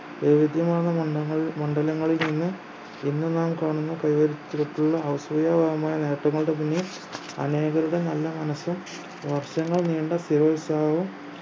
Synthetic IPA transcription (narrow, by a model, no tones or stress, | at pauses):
ʋeʋid̪ʱjɐmaːnːɐɐːɐɭmɐɳɖɐlɐŋːɐɭilninːɨ | inːɨnaːmkaːɳunːukɐjʋɐɾit͡ɕːiɾuʈːuɭːɐɐwsʋɐjaːbʱaɣɐmaːjɐne̞ːʈːɐŋːɐɭɽe̞p̬inːei | ɐ̰ne̞ːɣɐɾuɽe̞nɐlːɐmɐnɐsːum | ʋɐrʂɐŋːɐɭniːɳɖɐst̪iɾoːisaːʋum